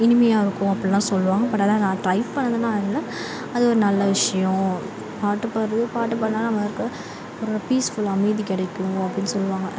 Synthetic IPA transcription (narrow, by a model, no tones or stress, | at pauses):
ɪnɪmɐjaːɪɾɯkːʊ̃ɐpːɐɽlãːsɔlːɯʋaːŋɡɐpːɐʈːɐðãːnãːʈɾɐɪʋpɐɳːɐnðɯnãːɪlːɐ | ɐðɯɔɾɯnɐlːɐʋɪʂɐjʊ̃ | paːʈːɯpɐɾɐðɯpaːʈːɯp̬ɐaːɐmɐɪɾɯkːɾɐ | ɔɾɾɐpiːsfʊlɐmɐɪðikɪɽɐkːɯɯŋɡɐɐpːɽɪnːɯsɔlːɯʋaːŋɡɐ